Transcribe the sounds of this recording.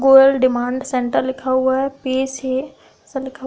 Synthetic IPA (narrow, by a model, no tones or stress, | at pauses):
ɡoːlɖɪmãːɳɖsẽɳʈəɾlɪkʰaɦuaɦɛpeːse | selɪkʰa